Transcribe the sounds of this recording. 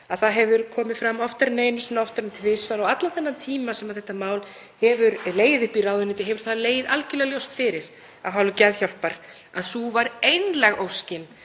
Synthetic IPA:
aðθaðɦɛvʏɾkʰɔːmɪfɾamːɔft̪aɾneːjnʏsɛnaɔft̪aɾʏmt̪ʰɪvɪsvaɾawat̪laθɛnːant̪ʰiːmasɛmaðθɛht̪ːamaːwl | hɛvʏɾleːjɪðɪhpiɾaːwðʏnɪt̪ɪɦɛvʏɾ̥θaðleːjɪðalcʏlɛɣaljowst̪fɪɾɪɾ̥ | aðɦaːwlʏcɛðçawlpaɾ̥ | aðsuvaɾejnlɛɣowscɪn

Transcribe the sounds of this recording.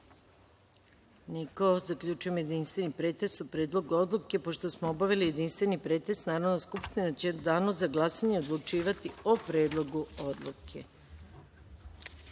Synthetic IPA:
nikozakʎʲut͡ʃujemje̞d̪inst̪ʋe̞nipɾe̞ːt̪esupɾeːd̪lˠo̞ɡuo̞d̪lˠuke̞po̞ʃt̪o̞smoobaʋelije̞d̪inst̪ʋe̞nipɾeːt̪esnaːɾo̞d̪naskupʃt̪inat͡ɕed̪aːnozaɡlˠasaɲeod̪lˠut͡ʃiːʋat̪iopɾe̞ːd̪lˠo̞ɡuod̪lˠukʰe̞̰

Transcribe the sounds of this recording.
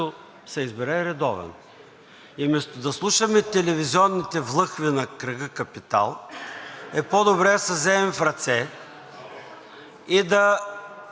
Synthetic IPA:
ʊ | sɛizbɛɾɛɾɛd̪ɔvɛ̰n | imɛst̪ʊd̪ɐslˠuʃɐmɛt̪ɛlɛviziɔnːit̪ɛvlˠɤxvinɐkɾɐɡəkɐpit̪a̰lˠ | ɛpɔd̪obɾɛɐsɐzɛɛmfɾɐt̪sɛ | id̪ɐ

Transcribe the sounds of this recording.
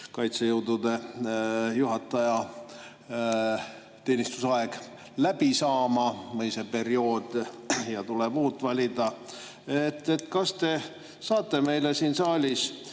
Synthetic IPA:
kɑjt̪sejɤwd̪ud̪̥e̞ | juɦɑt̪ːˑɑjɑ | t̪e̞ːnist̪u̥sɑe̞ɡ̥ | læb̥isɑːmɑmɤjsepe̞ɾio̞ːd̪̥jɑt̪uleb̥uːt̪ːˑvɑlʲid̪ɑ | et̪ːˑet̪kɑst̪e̞ | sɑːt̪ˑːe̞me̞jlesiːnsɑːlʲis

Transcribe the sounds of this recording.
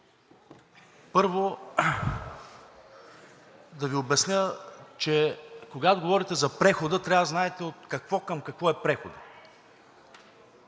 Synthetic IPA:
pɤɾvo | d̪ɐviobɛsnʲət͡ʃɛkoɡat̪oɡovɔɾit̪ɛzɐpɾɛxod̪ət̪ɾʲavəznaɛt̪ɛot̪̚kɐkvɔkəmkɐkvɔɛpɾɛxod̪ə

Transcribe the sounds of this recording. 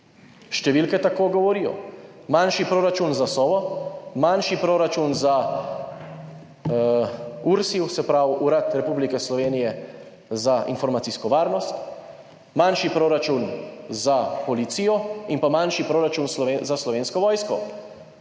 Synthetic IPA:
ʃt̪ɛʋilkɛt̪akoːɡɔʋɔɾijɔ̰ | manʃipɾoːɾat͡ʃunzasɔːʋɔmanʃipɾoːɾat͡ʃunza | uɾsiwsɛpɾawuɾat̪ɾɛpublikɛslɔʋeːnijɛ | zaʔinfɔɾmat̪siskɔʋaːɾnɔst̪ | manʃipɾoːɾat͡ʃunzapɔlit̪siːjɔinpamanʃipɾoːɾat͡ʃunslɔʋezaslɔʋeːnskɔʋɔːjskɔ

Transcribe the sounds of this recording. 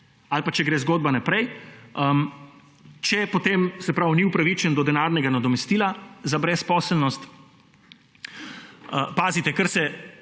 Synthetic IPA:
alpat͡ʃɛɡɾeːzɡoːd̪̚banapɾɛjə | t͡ʃɛpɔt̪eːmsɛpɾawniupɾaʋit͡ʃɛnd̪ɔd̪ɛnaːɾnɛɡanad̪ɔmɛst̪iːlazabɾɛspɔsəlnɔst̪ | əpaːzit̪ɛkəɾsɛ

